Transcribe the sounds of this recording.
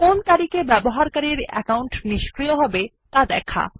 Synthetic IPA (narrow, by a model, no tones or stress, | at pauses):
kont̪aɾikebɛboɦaɾkaɾiɾɛ̰kawɳʈniʃkɾijoɦɔbe | t̪ad̪ɛkʰa̰